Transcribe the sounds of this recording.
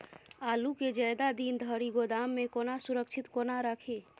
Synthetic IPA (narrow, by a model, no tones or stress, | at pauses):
aluked͡ʒəjd̪ad̪ind̪ʱəɾiɡod̪amːekonasuɾəkt͡ʃʰit̪konaɾəkʰe